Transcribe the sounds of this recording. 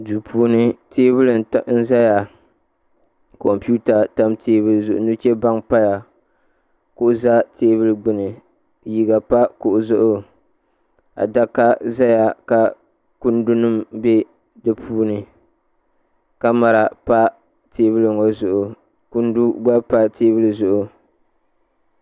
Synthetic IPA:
dɨ˨pʰuː˦nɨ˦tʰeː˦βɨ˦lɨ˨n˨tn̩˦za˦ja˨ | kɔ˨mpu˦ta˨ta˦mteː˦bɨ˦lzʊ˨ʔʊ˨nu˦t͡ʃe˦ba˦ŋpa˦ja˨ | kʊ˦ʔʊ˨za˦teː˦βɨ˦lɨ˦ɡ͡bɨ˦nɨ˨ | ji˨ɡa˨pa˦kʊ˨ʔʊ˨zʊ˦ʔʊ˦ | a̰˨da˦ka˦za˦ja˨ka˨ | ku˦ndu˦nɨ˦mbe˦ | dɨ˦pʰuː˦nɨ˨ | ka˦ma˨ɾa˨pa˦ | teː˦βɨ˦lɨ˨ŋo˦zʊ˨ʔʊ˨ | ku˦ndu˦ɡ͡ba˦pa˦teː˦bɨ˦lɨ˨zʊ˨ʔʊ˨

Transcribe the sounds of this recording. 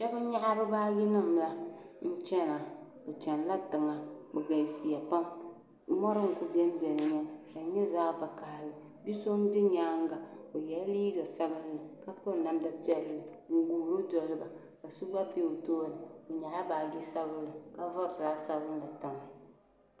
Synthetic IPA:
ʃɛ˦ba˦ɲa˦ʔa˦bɨ˦baː˦ɡɪ˦nɨ˦mla˦ | n̩˦t͡ʃɛ˦na˨ | bɛ˨t͡ʃɛ˨nla˦tɨ˨ŋa˨bɛ˨ɡa˨i˨si˨ja˨pa˦m | mɔ˦ɾɨ˦ŋ̩˨ku˦bɛ˦m˦bɛ˨nɨ˨ɲɛ˦ka˨ɲɛ˦zaː˦ba˨ka˨lɨ˨ | bi˦so˦m˦bi˦ɲaː˦ŋ˦ɡa˨o˨jɛ˨˦liː˦ɡa˨sa˦bɨ˦lla˨ka˦pɔ˦˨na˦mda˦pi˦ɛ˦lːɨ˨ | ŋ̩˦ɡuː˨ɾo˦dɔ˨lɨ˦ba˨ | ka˨su˦ɡ͡ba˦pe˦o˨toː˦˨nɨ˨o˨ɲa˨ʔa˦baː˨ɡi˦sa˦bʊ˦lɨ˨ka˦vɔ˦ɾtɾa˨˦sa˦bɨ˦la˨ta˨ma˨

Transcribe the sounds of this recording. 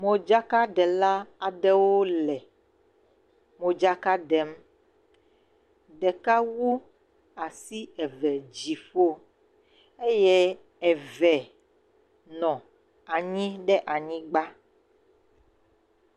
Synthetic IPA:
mõ˨d͡ʒa˦ka˦ɖɛ˨la˦a˨ɖɛ˦wo˦lɛ˨ | mõ˨d͡ʒa˦ka˦ɖɛ˨m | ɖɛ˨ka˦wu˦ | a˨si˦ɛ˨vɛ˨d͡ʑi˨fo˦ | e˦jɛ˦ | ɛ˨vɛ˨ | nɔ̃˨ | a˨ɲĩ˦ɖɛ˦ʔa˨ɲĩ˦ɡ͡ba˦

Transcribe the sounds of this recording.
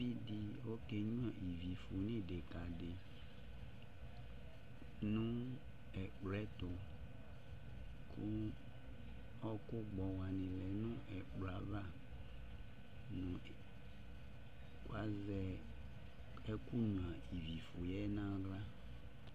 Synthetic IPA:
i˦di˨wo˦kɛ˦ɲũ˦a˨ʔi˨vi˨fo˨nĩ˦de˨ka˨de˨ | nũ˦ | ɛ˨k͡plɛ˦t̪ʊ˨ | kʰʊ˦ | ɔ˦kʊ˦ɡ͡bɔ˨wa˨nɪ̃˨lɛ˨nũ˦ʔɛ˨k͡pla˨va˦˨ | nʊ̃˨ | kwa˦zɛ˨ | ɛ˦ku˦nũ˨ã˨i˨vi˨fo˨jɛ˦nã˦ɡla˦

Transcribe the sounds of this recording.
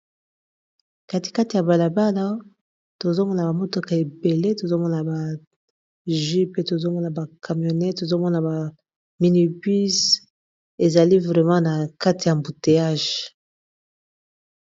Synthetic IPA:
ka˨ti̥˨ka˦ti˨ja˨ba˨la˨ba˦la˦ | to˨zo˦mɔ˦na˨ba˨mo˦to˨ka˨e˨be˨le˦to˨zo˦mɔ˦na˨ba˨ | ʒi˦pe˦to˨zo˦mɔ˦na˨ba˨kʰa˨mjo˨nɛ˦to˨zo˦mɔ˦na˨ba˨ | mi˨ni˨bi˦s | e˨za˨li˦vʁɛ˨mɑ̃˦na˨ka˦ti˨ja˨mbu˨te˨a˦ʒ

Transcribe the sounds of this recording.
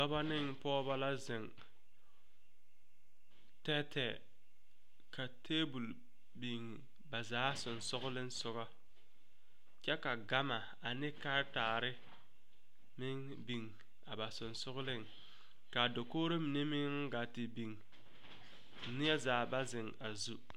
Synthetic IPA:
ba˦ba˦nɪ˦ŋpɔː˦ba˦la˦zɪ˨ŋ | tɛ˦tʰɛ˨ | ka˨tʰeː˦bu˨l | bi˨ŋ | ba˨zaː˨˦sʊ˨nsʊ˦ɣʊ˦lɪ˦n˦sʊ˦ɣɔ˦ | t͡ʃɛ˦ka˨ɡa˦ma˨ | a˨nɪ˦ka˦taː˨ɾɪ˦ | mɪ˦ŋ | bi˨ŋ | a˨ba˨sʊ˨nsʊ˦ɣʊ˦lɪ˦ŋ | ka˨do˨koː˦ɾo˦mɪ˨ne˦mɪ˦ŋ˦ɡa˨tɪ˨bi˨ŋ˦ | nɪ˦ɛ˦zaː˨˦ba˦zɪ˨ŋa˨zu˦

